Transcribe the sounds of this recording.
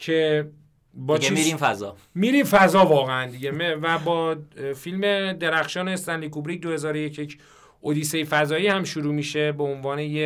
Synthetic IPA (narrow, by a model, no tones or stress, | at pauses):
cʰe | bɒːimiɾimfæzɒ | miːɾiːmfæzɒːvɒːɣeænd̪iɟemevæbɒːfilme̞d̪eɾæxʃɒːnest̪ænlikubɾiːc̚d̪ohe̞zɒːɾojecʰjecʰ | ʔod̪iːsejfæzɒːjiːhæmʃuɾuːmiːʃe̞beonvɒːneje